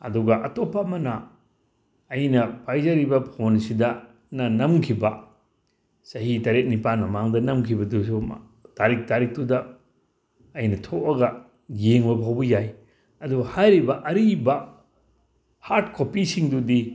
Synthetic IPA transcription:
ɐ̰duɡɐʔɐtopːamɐnɐ | jnɐpajzɐɾibɐpʰonsidɐ | nɐnɐmkʰibɐ | sɐɦitɐɾet̚nipanmɐmaŋdɐnɐmkʰibɐdusu | taɾik̚taɾik̚tudɐ | ɐjnɐtʰoʔɐɡɐ | jeŋbɐbɦawbɐjaj | ɐduɡɐhajɾibɐʔɐɾibɐ | haɾt̚kʰopisiŋdudi

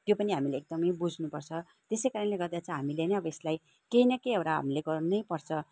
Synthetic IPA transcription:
t̪jopʌniɦamileek̚d̪ʌmʌjbud͡zʱnupʌrt͡sʰʌ | t̪esejkaɾʌnleɡʌrd̪jat͡sʰʌ̃ɦamileniʌbʌeslaj | kejnʌkejʌwɾaɦa̰mileɡʌrnunʌjpʌrt͡sʰʌ

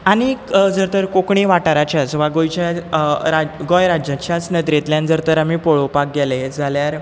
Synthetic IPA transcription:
aɽ̃id͡zəɾt̪əɾkokɳiʋaʈaɾat͡ɕasʋaɡojt͡ɕaɾaɡɔjɾad͡ʑat͡ɕjat͡snəd̪ɾet̪ljãnd͡zəɾt̪əɾamipoɭopak̚ɡɛled͡zʱaljaɾ

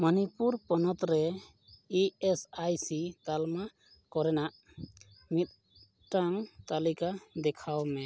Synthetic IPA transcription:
mənipuɾpɔnɔt̪ɾɛ | iesajsit̪alma | kɔɾɛnaʔ | mit̪̚ˀ | ʈaŋt̪alikad̪ɛkʰawmɛ

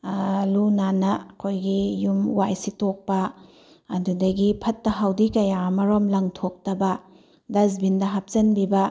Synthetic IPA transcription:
lunanɐɐkʰojɡijumwajsitok̚pɐː | dudɐɡipʰɐtːɐɦawdikɐjamɐɾomlɐŋtʰok̚tɐbɐ | dɐzbindɐɦap̚t͡ʃɐnbibɐ

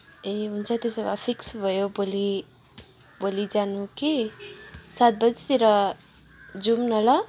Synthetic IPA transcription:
eɦunt͡sʰʌt̪josʌba̰pʰiksbʱʌjoboli | bolid͡zanuki | sat̪̚bʌd͡zt̪eɾʌ | d͡zumnʌlʌ

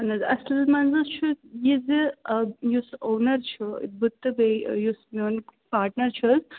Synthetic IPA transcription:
ɐnɐzɐslmɐnzɐst͡ʃʰujiz | jusoːnɐɾt͡ʃʰṵbut̪ːɐbejusmoːnpaːɾʈnɐɾt͡ʃʰuz

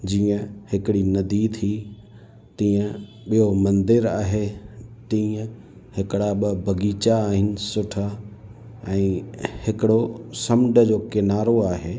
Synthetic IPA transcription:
d͡ʑiːə̃hɪkɪɽinɐd̪iːt̪ʰi | t̪ĩːə̃ | ɓijomɐ̃nd̪ɪɾaːɦet̪ĩːə̃ | hɪkɪɽaɓɪbʱɐɡiːt͡ɕaːɦɪnɪ̆sʊʈʰa | ɛ̃ːhɪkɪɽosɐmɪɖəd͡ʑoːkɪnaːɾoaːɦeː

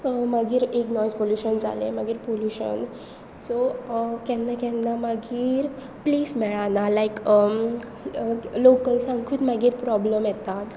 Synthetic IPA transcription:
maɡiːɾeknɔjspoljuɕənd͡zʱa̰lḛmaɡiːɾpoljuɕə̰n | sokɛnːakɛ̃nːamaɡiːɾ | pliːsmɛɭanalaik | lokəlsãŋkʰuːt̪maɡiːɾpɾɔbləmjɛt̪at̪

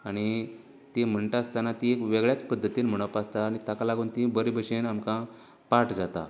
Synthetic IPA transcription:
aɽ̃i | t̪em̤əɳʈ̪aast̪anat̪ĩekʋeɡɭjat͡spəd̪ʱːət̪iːnm̤əɽ̃əpast̪aːɽ̃it̪akalaɡuːnt̪ĩbəɾibʱəɕenamkã | paʈd͡zat̪a̰

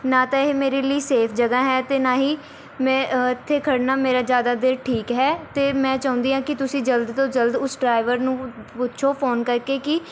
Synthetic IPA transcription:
nãːt̪aːɪɦemeːɾeːləiːseːpʰd͡ʒəɡaːɦɛːt̪eːnaːɦiː | mɛ̃ːɪt̪ʰːeːkʰəɽnaːmeːɾaːzjaːd̪aːd̪eɾʈʰiːkɦɛːt̪eːmɛ̃ːt͡ʃãːʊ̃nd̪iːɦãːkɪt̪ʊsĩːd͡ʒəld̪t̪õːd͡ʒəld̪ʊsɖɾaːɪʋəɾnũːpʊtːʃʰoːpʰoːnkəɾkeːkɪ

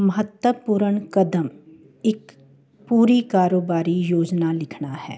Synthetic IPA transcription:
mɐɦət̪wəpuːɾəɳkɐd̪əm | ɪk | puːɾikaːɾoːbaːɾijoːd͡ʒnalɪkʰnahɛ̰ː

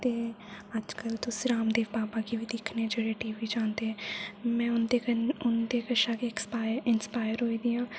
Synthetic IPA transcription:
t̪eː | əd͡ʒkəlt̪ʊsiɾaːmd̪eːʋbaːbaːkiʋiːd̪ɪkʰneɛ̃d͡ʒeːɽeːʈiːʋiːd͡ʒaːnd̪eːɛmɛ̃ːʊnd̪eʊnd̪eːkəʃaːkekspaːɪəɾɪnspaːjəɾɦoːiːd̪iːãː

